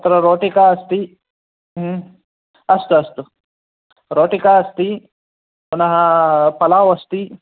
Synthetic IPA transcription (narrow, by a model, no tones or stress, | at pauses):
t̪ɐɾɐɾoːʈikaːɐst̪i | ɦ | ɐst̪uɐst̪u | ɾoːʈikaːɐst̪i | unɐɦɐpɐlaːʋɐst̪i